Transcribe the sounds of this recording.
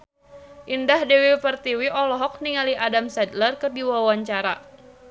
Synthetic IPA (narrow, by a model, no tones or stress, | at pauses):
ʔindahdɛwifərt̪iwiʔɔlɔɦɔk̚niŋaliadamsɛd̪lərkɨrdiwawaɲt͡ʃaɾa